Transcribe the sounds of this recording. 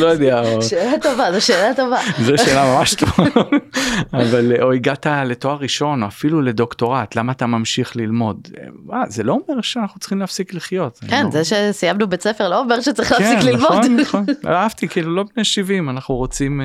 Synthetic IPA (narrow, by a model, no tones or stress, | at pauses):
lojod̪ɛaoʃeːlat̪ovazoʃeːlat̪o̞vazoeːlamamaʃt̪ovavaloiɡat̪ale̞to̞aʁiʃo̞noafilule̞d̪o̞kt̪o̞ʁat̪lamaːt̪amamʃiχlilmo̞d̪azelo̞omeʁʃeanaχnut͡sχimleafsikliχjo̞t̪a̰kenzeʃesijamnubet͡sefeʁloomeʁʃet͡sʁiχleaksenkklilmoodnnaχo̞n̰aavt̪ikiːlulo̞bneʃivimanaχnuʁo̞t͡sim